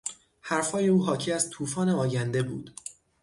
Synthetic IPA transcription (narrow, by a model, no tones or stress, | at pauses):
hæɾfhɒːje̞uːɦɒːcʰiːæzt̪ʰuːfɒːne̞ɒːjænd̪e̞bṵːd̪̥